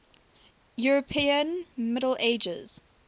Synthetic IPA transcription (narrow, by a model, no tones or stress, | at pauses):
juɹəpʰiːə̃nmɪɾəleɪd͡ʒə̰z̥